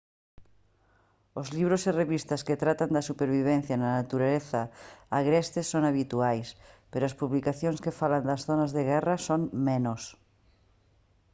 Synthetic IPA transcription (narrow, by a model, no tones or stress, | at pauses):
ozliβ̞ɾosireβist̪asket̪ɾat̪and̪asupeɾβiβ̞en̟θjananat̪uɾaleθaːɣɾɛst̪esːonaβ̞it̪uajspeɾoaspuβlikaθjonskefaland̪asθonazðeɣ̞ɛrasonmenos